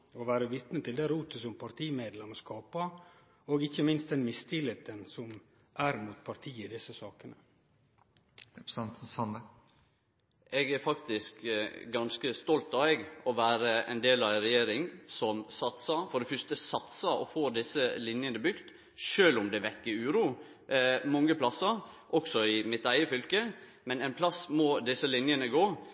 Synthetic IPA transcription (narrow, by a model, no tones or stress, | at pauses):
oʋæːɾəʋɪt̪nət̪ʰɪld̪æɾʉːt̪əsɔmpʰɑɾt̪ʰiːmeːd̪lɛməskɑːpə | oːɡɪçəmɪnst̪d̪ɛnmɪst̪ʰɪlət̪ənsɔm | ʔæɾmuːt̪pʰɑɾt̪ʰiːəɪd̪ɪsəsɑːkənə | ɛɡæɾfɑkt̪ɪskɡɑnskəst̪ɔlt̪ɑʋɛɡɔʋæːɾəɛ̰nd̪eːlɑʋɛnɾɛjeːɾɪŋsɔmsɑt̪səfɔɖɛfœst̪əsɑt̪səɔ̰foːd̪ɪsːəlɪnjənəbʏkt̪ | ʃøːlʊmd̪ɛʋɛkːəɾʉːɾuː | mɔŋːəpʰlɑsɑʔɔksɔɪmɪt̪æɪəfʏlkə | mɛnɛɪnpʰlɑsmɔd̪ɪsːəlɪnjənəɡoː